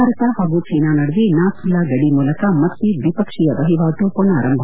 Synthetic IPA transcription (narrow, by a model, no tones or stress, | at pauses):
aːɾɐt̪aɦaːɡut͡ʃʰiːnaːnɐɽʋinaːkʰilːaɡɐɽimuːlɐkɐmɐt̪ːiʋipɐkʂijɐʋɐɦiʋaːʈ̪oːpona̰ːɾɐmbʱ